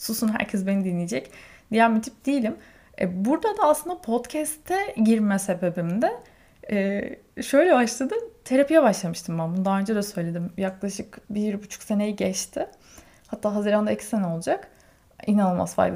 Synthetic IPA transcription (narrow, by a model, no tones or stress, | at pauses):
susunɦæ̰ɾcʰɛsbe̞nid̪inlʲːijed͡ʒɛcd̪̥ijæɾmit̪ʰi̥p̚d̪ijilʲim | ɛ̰buɾd̪ad̪aːslˠɯnd̪apʰo̞t̪cʰɛst̪ʰɛɟiɾmɛse̞be̞bimd̪ɛ | ɛː | ʃø̞jlʲɛbaʃlˠad̪ɯt̪ʰeɾapʰijɛbaʃlˠamɯʃt̪ʰɯmbænbund̪anønd͡ʒad̪asø̞jlʲed̪imjaklˠaʃɯkbiɾbut͡ʃʰu̥kse̞nejiɟɛt͡ʃt̪ʰɪ | hat̪ːaːɦaziɾand̪aicʰi̥se̞nɛo̞lˠud͡ʒak | inanɯlˠma̰sfa̰jd̪